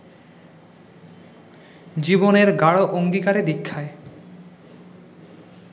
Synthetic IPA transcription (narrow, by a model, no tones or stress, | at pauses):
d͡ʑiboneɾɡaɽoʔoŋd̪ikaɾed̪ikʰːae